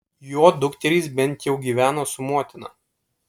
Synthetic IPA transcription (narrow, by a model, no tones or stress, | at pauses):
joːd̪ʊkt̪ʲɛɾʲiːˑs̬bʲɛnʲˑt̪jɛʊɡʲiːʋʲæːnoːsʊmoːt̪ʲɪnɐ̰